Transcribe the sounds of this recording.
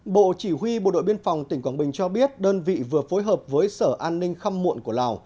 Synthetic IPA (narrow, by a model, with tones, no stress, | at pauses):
ɓo̰˧˨t͡ɕi˧˩ɦwi˧ɓo̰˧˨ɗo̰˧˨jɓi˧ənfa˨˩wŋ͡mt̪ï˧˩ŋ̟kwaː˧˩nɓï˨˩ŋ̟t͡ɕɔ˧ɓi˦˥ət̚ɗəː˧nvḭ˧˨vɨ˨˩əfo˨˦jɦəː˨˩p̚vəː˨˦jsəː˧˩ʔaː˧nːï˧ŋ̟xa˧mmṵ˧˨ənku˧˩əlaː˨˩w